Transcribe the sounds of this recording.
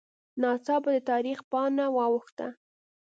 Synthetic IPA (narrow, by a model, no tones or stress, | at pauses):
nɑt͡sɑbad̪ət̪ɑɾixpɑnawɑwʊxt̪a̰